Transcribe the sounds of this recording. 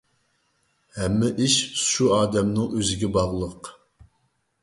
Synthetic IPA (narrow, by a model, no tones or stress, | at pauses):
hɛmːɛʔiʃʃuɑːd̪ɛmnɨŋʔøzɪɡʲɛbɑʁlˠəq